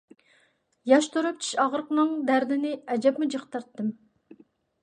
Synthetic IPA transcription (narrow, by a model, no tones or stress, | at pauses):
jɑʃt̪ʰuɾup̚t͡ʃʰi̥ʃɑʁəɾqnɨŋd̪æɾd̪ɪnɪɛd͡ʒɛpmud͡ʒəqt̪ɨɾt̪ːɨm